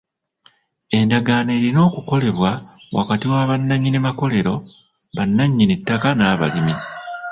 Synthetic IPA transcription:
e̞ndaɡaːne̞ːɾino̞ːkuko̞le̞βwawa̰katiwaːβanːaɲːinemako̞le̞ɾo̞ | βanːaɲːinitːakanaːβa̰limi

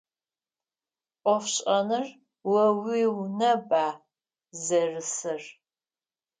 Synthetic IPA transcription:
ʔʷɔfɕʼɐnɨr | wɐwiːwnɐbʼaː | zɐrɨsɨr

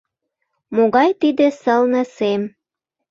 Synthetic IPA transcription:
moɣɑjt̪id̪ĕsəlnə̆sem

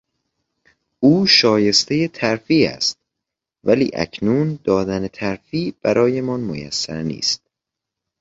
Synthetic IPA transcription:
uːʃɒːje̞st̪e̞jet̪ʰæɾfiːæ̰st̪̚ | vælḭːʔæ̰cʰnuːnd̪̥ɒːd̪ænet̪ʰæɾfiːb̥æɾʔɒːje̞mɒnmojæ̰sːæ̰ɾnḭːst̪̚

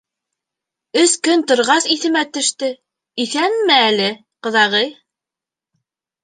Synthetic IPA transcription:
ɵskɵnt̪ŏɾʁɑsiθɘ̆mæt̪ɵ̆ʃt̪ɘ | iθænmæælɘ | qɤ̆ðɑʁɤj

